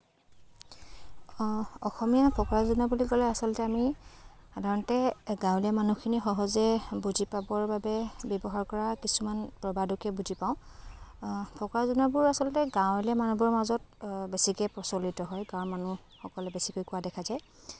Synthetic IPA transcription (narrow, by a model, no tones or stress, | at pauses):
ɔxɔmijapʰɔkɔɹazunabulikɔlɛasɔlɔtɛami | adʱaɹɔntɛɡãwliamanukʰinixɔɦɔzɛbuzipabɔɹbabɛbɔbɔɦaɹkɔɹakisumanpɹɔbadukɛbuzʱipaʊ̃ | pʰɔkɔɹazunabʊɹasɔlɔtɛɡãwliamanubɔɹmazɔtbesikɛpɹɔsolitɔɦɔjɡãɔɹmanu | xɔkɔlɛbesikojkʊwadɛkʰazaj